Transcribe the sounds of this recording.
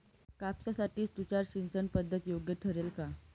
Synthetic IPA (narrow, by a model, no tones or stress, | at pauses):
kapsasaʈiːssut͡ɕaɾɕint͡sənpəd̪ʱːət̪joɡjəʈʰəɾelka